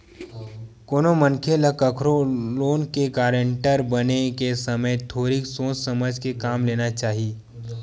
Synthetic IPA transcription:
koːnomənkʰeləkɐkʰɾoloːnkekaːɾə̃ɳʈəɾbənekesɐməjt̪ʰoːɾiksoːt͡ʃsɐməd͡ʒʱkekaːmleːnat͡ʃaːɦieː

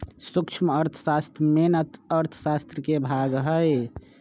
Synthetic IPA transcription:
sukt͡ʃʰməɾt̪ʰə̥sast̪ɾəmenət̪əɾt̪ʰə̥sast̪ɾəkebʱaɡɦəj

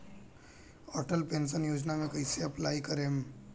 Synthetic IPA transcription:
ɔːʈəlpẽːnʃənjoːd͡ʒnamẽkɐiseɐplaːikɐɾẽ

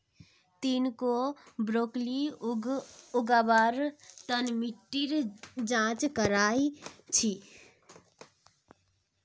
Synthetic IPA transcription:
t̪iːnkobɾoːkli | ʊɡaːbaːɾt̪ənmiʈːiɾd͡ʒãːt͡ʃkəɾaːit͡ʃʰi

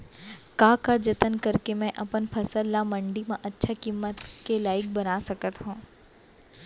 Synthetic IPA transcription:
kaːkad͡ʒɐt̪ənkɐɾkemɛ̃ʔɐpənpʰɐsəlːamɐ̃ɳɖimãʔɐtːʃʰakimːət̪kelaːɪk̚bɐnaːsɐkət̪ɦũː

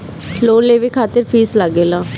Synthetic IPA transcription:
loːnleːʋiːkʰaːt̪əɾpʰiːsləɡeːlãː

